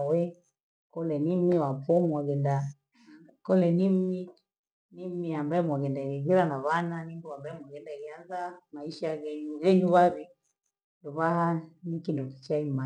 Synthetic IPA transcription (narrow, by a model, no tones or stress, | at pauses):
wɛ | kɔlɛnimiwapɔmaɡɛnda | kɔlɛnimi | nimiambaɛmwaɣɛndaɣɛɣiɾanaβananiŋɡuambaɛmwaɡɛndaɣianzamaiʃaɣɛɲuɣɛɲuβaβi | dɔβahanikindɔki̥t͡ʃaima